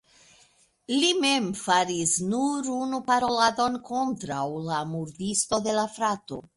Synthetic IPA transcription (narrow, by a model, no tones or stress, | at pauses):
lime̞mfaɾisnuɾunupaɾo̞lado̞nko̞ntɾawlamuɾdisto̞de̞lafɾato̞̰